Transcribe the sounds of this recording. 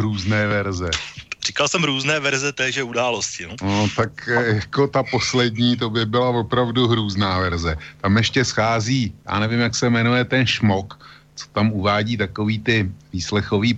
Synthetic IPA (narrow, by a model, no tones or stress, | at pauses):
ɾuːznɛːvɛɾzɛr̥iːkalsɛmɾuːznɛːvɛɾzɛt̪ɛːʒɛudaːloscɪnonot̪akjako̞t̪apo̞slɛdɲiːt̪̬o̞bɪbɪlavo̞pɾavduɦɾuːznaːvɛɾzɛt̪amjɛʃcɛsxaːziːja̰ːnɛvɪmjaksɛmɛnujɛt̪ɛnʃmo̞k | t͡so̥t̪amʔuvaːɟiːt̪akoviːt̪ɪviːslɛxo̞viː